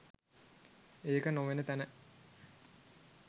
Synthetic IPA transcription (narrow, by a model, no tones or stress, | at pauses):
eːkənoʋenət̪ænə